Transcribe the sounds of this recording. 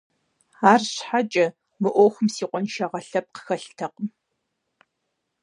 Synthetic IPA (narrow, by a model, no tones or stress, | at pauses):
aːrɕħat͡ʃʼɐ | mɨʔʷoːxʷʊmsiːqʷʼɔnʃɐʁɐɬɐp̚qə̥xɐɬtʰɐqəm